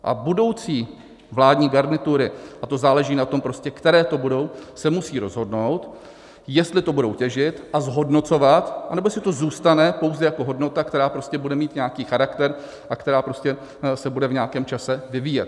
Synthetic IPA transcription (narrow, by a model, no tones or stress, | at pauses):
ʔa̰budo̞wt͡siː | vlaːdɲiːɡaɾnɪt̪uɾɪʔat̪o̞zaːlɛʒiːnat̪o̞mpɾo̞scɛkt̪ɛɾɛːt̪o̞budo̞wsɛmusiːɾo̞zɦo̞dno̞wt̪ | jɛst̪lɪt̪o̞budo̞wcɛʒɪt̪ʔazɦo̞dno̞t͡so̞vat̪ʔanɛbo̞jɛslɪt̪o̞zuːst̪anɛpo̞wzɛjako̞ɦo̞dno̞t̪akt̪ɛɾaːpɾoscɛbudɛmiːt̪ɲɛakiːxaɾakt̪ɛɾ | ʔakt̪ɛɾaːpɾo̞scɛ | sɛbudɛvɲaːkɛːmt͡ʃasɛvɪviːjɛt̪